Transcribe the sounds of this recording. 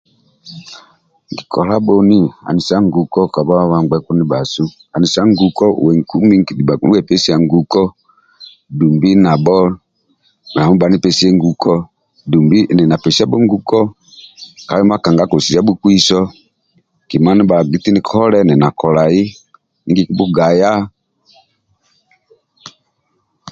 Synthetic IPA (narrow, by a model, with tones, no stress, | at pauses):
ŋ˨ɡi˨kʰɔ˨la˦bɔ˨ni˦a̰˨ni˨sa˦ŋ˦ɡu˨kɔ˦ka˨ba˦a˦βa˨ŋɡ͡bɛ˨˦ku˦ni˦ba˨su˦ | a˨ni˨sa˦ŋ˦ɡu˨kɔ˦˨wɛ˨ŋ˨ku˦mi˦ŋ˦ki˨dɛ˦˨pɛ˦si˦a˨ŋɡu˨kɔ˦ | du˨mbi˦na˨bɔ˦˨ | a˨mu˦ba˨ni˦pɛ˦si˦ɛ˦ŋ˦ɡu˨kɔ˦ | du˨mbi˦ʔnɛ˨na˨pɛ˨sa˦bɔ˦ŋ˦ɡu˦kɔ˦ | ka˨li˦ma˦ka˨ŋɡa˨˦ku˨si˨˦a˦bu˦ku˦i˦sɔ˦˨ | ki˨ma˨˦ni˦ba˨ɡi˦ti˦ni˨kʰɔ˦lɛ˦nɛ˨na˨kɔ˨la˨ji˦ | i˨˦ɡi˦˨ku˦bu˦ɡa˨ja˦